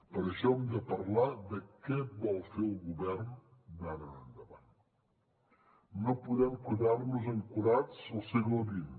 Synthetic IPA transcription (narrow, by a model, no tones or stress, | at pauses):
pəɾəʃɔɛmd̪əpəɾlad̪əkɛbɔlˠfeɾəlˠɣuβɛrn | nanənənd̪əβa̰n | opuðɛmkwuðarnuzəŋkuɾat͡səlˠseɣləβin